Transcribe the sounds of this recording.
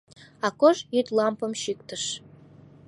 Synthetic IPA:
ɑkoʒjyt̪lɑmpəmʃik̚t̪əʃ

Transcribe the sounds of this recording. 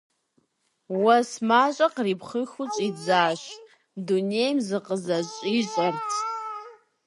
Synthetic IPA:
wɐsmaːɕʷʼɐqripχəxʊt͡ʃʼid͡zaːʃ | dunejmzɨqəzɐɕʼiɕʼɐrtʰ

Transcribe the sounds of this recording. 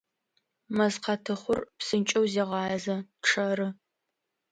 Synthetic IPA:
mɐzqɐtʰɨχʷʊrpsɨnt͡ʃʼɐwzeːʁɑːzɐʈ͡ʂʰɐɾɨ

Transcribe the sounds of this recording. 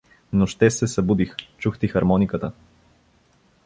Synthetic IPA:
noʃt̪ɛsɛsɐbud̪ixt͡ʃuxt̪ixɐɾmɔnikət̪ə

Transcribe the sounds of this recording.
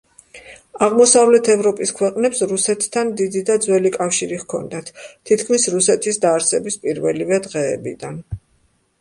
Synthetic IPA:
aʁmɔsavlɛt̪ʰɛvɾɔpʼiskʰwɛqʼnɛpsɾusɛt̪ʰːand̪id̪id̪ad̪zwɛlikʼafʃiɾiʁkʰɔ̰nd̪at̪ʰt̪ʰːit̪ʰkʰmisɾusɛt̪ʰisd̪aːɾsɛbispʼiɾvɛlivɛd̪ʁɛ̰ːbḭd̪an

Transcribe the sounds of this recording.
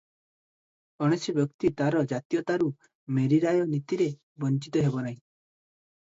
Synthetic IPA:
ɔɽ̃esjɔbjɔkt̪it̪aɾɔd͡ʒat̪ijɔt̪aɾu | meɾiɾajɔnit̪iɾe | bɔnt͡ʃit̪ɔɦebɔnaɦĩ

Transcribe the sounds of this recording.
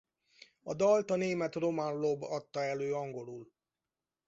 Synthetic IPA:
ɒd̪ɒlt̪ɒneːmɛt̪ro̞manlobɒt̪ːɒɛløːɒŋɡo̞lul

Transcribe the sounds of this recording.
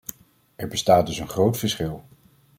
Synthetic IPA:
ɛɹbəstaːt̚dɵsənχrowtfəɹsχɪlˠ

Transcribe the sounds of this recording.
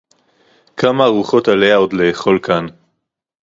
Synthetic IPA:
kamaːʁuχo̞t̪alehao̞d̪leːχo̞lkan

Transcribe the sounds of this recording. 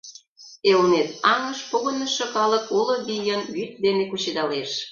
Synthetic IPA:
elnet̪ɑŋə̆ʃpoɣə̆nə̆ʃŏkɑləkulɤ̆ɡʲijənβyt̪̚d̪enekut͡ɕed̪ɑleʃ

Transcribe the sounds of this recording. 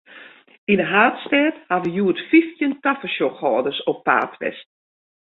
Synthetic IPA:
inəɦaːtstɛːthaʋəjuːətfiftjəntafəʃoxɔːdəsopːa̰ːtʋɛ̰st

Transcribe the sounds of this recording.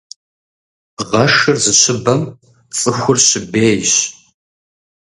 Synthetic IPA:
ʁɐʂɨrzɨɕʰɪbɐm | t͡sʼɨxʷʊrɕɪbeːjɕ

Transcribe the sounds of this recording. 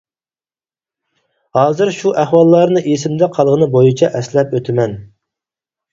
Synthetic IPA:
hɑːzɨɾʃuʔæhwɑlˠːɑɾnɨʔesɪmd̪ɛqʰɑlˠʁənɨbojit͡ʃʰɛʔɛslɛpøt̪ʰɪmɛn

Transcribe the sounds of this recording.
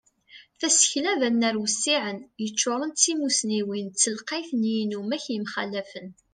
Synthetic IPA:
θæsə̥çlævænːæɾwəsːiʕənjət͡ʃːoɾˤənt͡sːimusniwint͡sːəlqɑjθnjinumæçjəmχælːæfən

